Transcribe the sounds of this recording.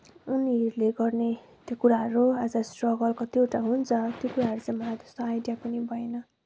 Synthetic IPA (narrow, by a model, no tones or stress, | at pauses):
unirleɡʌrne | t̪jokuɾaɦʌɾuad͡zʌsʈrʌɡʌlkot̪jowʈaɦunt͡sʰʌt̪jokuɾaɦʌɾut͡sʌmaad͡zʌ̥st̪oajɖijapʌnibʱʌjnʌ